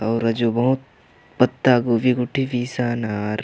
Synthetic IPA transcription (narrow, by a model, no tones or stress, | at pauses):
ɔːɾɐd͡ʒubɐɦut̪̚ | pɐt̪ːaːɡuʋiɡʊʈʰːibiːsaːnaɾ